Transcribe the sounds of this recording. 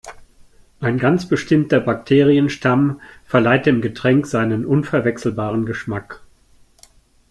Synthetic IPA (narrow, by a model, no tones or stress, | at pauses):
ʔaɪnɡant͡sb̥əʃtɪmtɐbaktʰeːʁiənʃtʰamfɛɐlaɪt̚d̥eːmɡətʁ̥ɛŋkz̥aɪnənʔʊnfɛɐvɛksl̩baːʁ̞ənɡəʃmak